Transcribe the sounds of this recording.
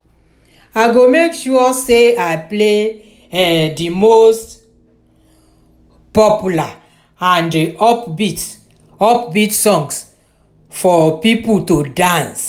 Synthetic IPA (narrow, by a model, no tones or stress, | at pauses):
aɪɡomekʃuɔseaple | ɛdimost | pɔpjula | ãndiɔpbit | ɔpbitsɔ̃ŋs | fɔpipultodãns